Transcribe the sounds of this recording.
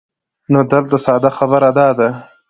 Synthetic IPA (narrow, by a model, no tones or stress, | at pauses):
nod̪əlt̪asɑːd̪axabəɾad̪ɑd̪a